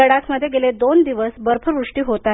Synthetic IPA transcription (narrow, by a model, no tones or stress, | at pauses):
əɽat͡sməd̪ʱːjeɡeled̪ond̪iʋəsbəɾpʰəɾʋɾuʂʈiːɦot̪a